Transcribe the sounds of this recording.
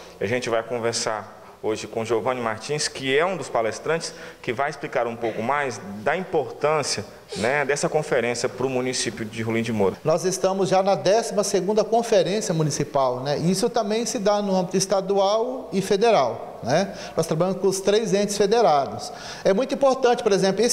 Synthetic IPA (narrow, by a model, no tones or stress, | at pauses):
iaʒẽnt͡ʃɪvajkõveɾsaɾ | oʒɪkõʒovɐ̃nɪmaɾt͡ʃĩskɪɛũd̪ʊspalest̪ɾɐ̃nt͡ʃɪ̥skɪvajɪsplikaɾũpowkʊmajzd̪ɐĩpoɾt̪ɐ̃siɐ | nɛd̪ɛsɐkõfeɾẽsjɐpɾʊmũnisipjʊd͡ʒɪɦulĩd͡ʒɪmoɾɐnɔzest̪ɐ̃mʊzʒanɐd̪ɛsimɐseɡũnd̪ɐkõfeɾẽsjɐmũnisipawnɛʔiisʊt̪ɐ̃mbẽj̃sɪd̪anʊɐ̃mbit̪ʊist̪ad̪uawɪfed̪eɾaw | nɛ | nɔst̪ɾabaʎjɐ̃mʊskõʊst̪ɾejzẽnt͡ʃɪsfed̪eɾad̪ʊs | ɛmũj̃t̪uĩpoɾt̪ɐ̃nt͡ʃɪ̥poɾezẽplʊi